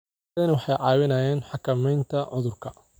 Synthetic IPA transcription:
ɐnɐwɑħɑjʕɑːwɪnaːjɛːnħɑkʰɐmɛjnt̪ʰɐʕʊðʊrkʰɐ

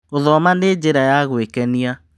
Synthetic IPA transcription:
oðɔmaned͡ʑeɾajaɣwekɛnia

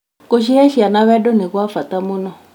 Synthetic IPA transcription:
koʃ̬iɛʃianaβɛdoneɣwafatamunɔ

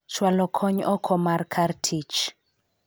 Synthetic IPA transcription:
t͡ʃwalɔkʰɔɲɔkʰɔmarkʰartʰit͡ʃ

